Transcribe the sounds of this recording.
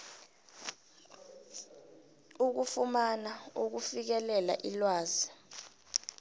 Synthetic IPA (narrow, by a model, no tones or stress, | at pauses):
uk̬ufumanauk̬ufik̬ɛlɛla̰ʔilwaːzi